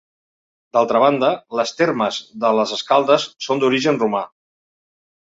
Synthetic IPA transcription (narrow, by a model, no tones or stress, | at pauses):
d̪alˠt̪ɾəβ̞and̪ələst̪erməzðələzəskalˠd̪əsːond̪uɾiʒənruma